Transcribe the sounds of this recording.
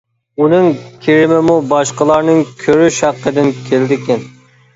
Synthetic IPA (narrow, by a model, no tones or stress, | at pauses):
unɨŋkʲʰeɾɪmɪmubɑʃqəlˠɑɾnɨŋkʲʰøɾyʃhæqʰːəd̪ɪnkʲʰeld̪ɪkʲɛn